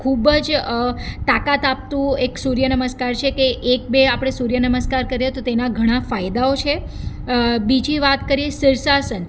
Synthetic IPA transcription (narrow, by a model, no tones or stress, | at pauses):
kʰubəd͡ʒ | t̪akat̪ap̚t̪ũeksuɾjənəməskaɾt͡ʃʰekeʔːk̚beapɽ̃esuɾjənəməskaɾkəɾjet̪ot̪enaɡʱəɽ̃afajd̪aot͡ʃʰe | bid͡ʒʱiʋat̪kəɾiesiɾsasən